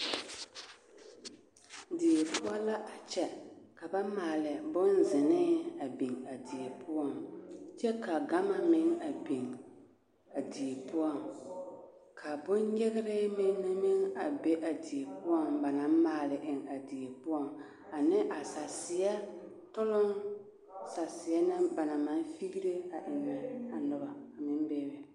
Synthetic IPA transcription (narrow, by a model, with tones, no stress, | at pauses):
di˨e˨pʊ˦ɔ˦la˦ʔa˨t͡ʃɛ˦ka˨ba˦maː˨lɪ˨bʊ˦nzɪ˨nɪ˦a˨bi˨ŋa˨di˨e˨pʊ˦ɔ˦˨ŋt͡ʃɛ˦ka˨ɡa˦ma˦mɪ˦ŋa˨bi˨ŋ | a˨di˨e˨pʊ˦ɔ˦˨ŋ | kʰa˨bʊ˦nɲɛ˦ɣɪ˦ɾɪ˦mɪ˦n˦na˦mɪ˦ŋa˨be˦ʔa˨di˨e˨pʊ˦ɔ˦ŋba˨na˨˦m˦maː˨lɪ˨ʔɪ˨ŋa˨di˨e˨pʊ˦ɔ˦˨ŋ | a˨nɪ˦ʔa˨sa˨sɪ˨a˦ | tʊ˦lʊ˦n | sa˨sɪ˨a˦nɪ˦ba˨na˨ma˦nfi˦ɡi˦ɾe˦a˨ʔɪ˨mɛ˨a˨nʊ˦ba˨a˨mɪ˦mbɛː˦bɛ˨